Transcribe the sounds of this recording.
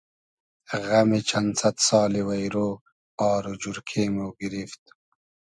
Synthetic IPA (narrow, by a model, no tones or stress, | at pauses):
ɣɐmet͡ɕʰɐnsɐt̪sɑːliwɐjɾoː | ɑːɾud͡ʑuɾkʰeːmoɡiɾift̪